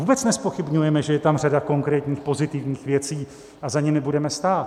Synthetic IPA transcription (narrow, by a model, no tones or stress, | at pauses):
uːbɛt͡snɛspo̞xɪbɲujɛmɛʒɛjɛt̪amr̝adako̞ŋkɾɛːt̪ɲiːxpo̞zɪt̪ɪvɲiːxvjɛt͡siː | ʔazaɲɛmɪbudɛmɛst̪aːt̪